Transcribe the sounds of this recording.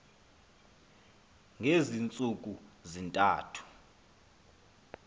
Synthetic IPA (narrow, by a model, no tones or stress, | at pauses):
ŋʱezint͡sʼuk̬ʼuzintʼa̰ːtʰu̥